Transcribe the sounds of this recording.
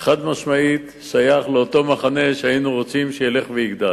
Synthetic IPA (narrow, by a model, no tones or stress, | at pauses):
χad̪maʃmait̪ʃajaχleot̪o̞maχane̞ʃeainuʁo̞t͡simʃejele̞χvejiɡd̪al